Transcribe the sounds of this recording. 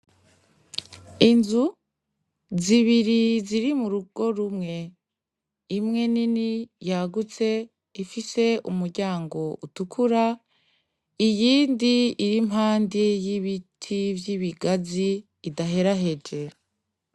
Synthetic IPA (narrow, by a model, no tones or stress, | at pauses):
inzu | ziβiɾiziɾimuɾuɡ̥o̞ɾumŋe̞ | imŋe̞ninijaɡut͡se̞ | ifise̞ʔumuɾɟaːŋɡo̞utukʰuɾa | ijiːndiiɾimɦaːndijiβitʰivjiβiɡaziː | daɦe̞ɾaɦe̞d͡ʒe̞